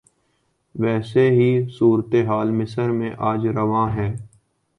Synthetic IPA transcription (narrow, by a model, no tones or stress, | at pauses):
ʋɛːseɦiːsuːɾt̪eɦaːlmɪsəɾmẽʔaːd͡ʒɾəʋãːɦɛː